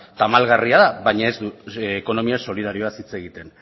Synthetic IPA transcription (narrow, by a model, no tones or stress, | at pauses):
t̪amalɣariaðaβajɲaezd̪uːko̞no̞miaso̞lið̞aɾioasit͡se̞ɣit̪e̞n